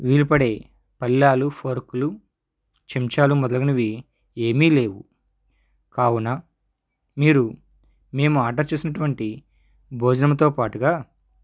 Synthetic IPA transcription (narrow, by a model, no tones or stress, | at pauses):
ʋiːlipɐɽe̞ː | pɐlːaːlupʰoːɾkulu | t͡ʃemt͡ʃaːlumɔd̪ɐlɐɡɐnuʋi | eːmiːle̞ːwu | kaːwunaː | miːɾu | me̞ːmuaːʈɐɾt͡ʃe̞ːsinɐʈuʋɐɳʈi | bʱoːd͡ʒɐnɐmɐt̪o̞ːpaːʈuɡaː